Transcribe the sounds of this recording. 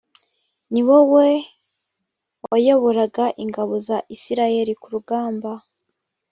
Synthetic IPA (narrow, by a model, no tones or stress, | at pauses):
niwowe̞ | wajo̞βo̞ɾaɡaʔiŋɡaβo̞zaʔisiɾaje̞ɾikuɾuɡaːmba